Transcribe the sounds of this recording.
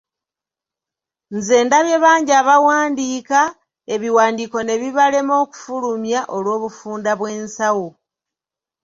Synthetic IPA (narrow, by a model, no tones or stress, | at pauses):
nze̞ːndaβje̞βaːɲɟiaːβawaːndiːka | e̞βiwaːndiːko̞ne̞βiβale̞mo̞ːku̥fulumjaʔo̞lwo̞ːβufuːndaβwe̞ːnsawo